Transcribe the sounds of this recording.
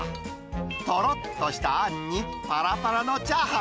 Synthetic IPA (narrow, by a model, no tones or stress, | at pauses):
t̪ɔɾɔtt̪ːɔɕi̥t̪anːi | paɾapaɾanot͡ɕaɦa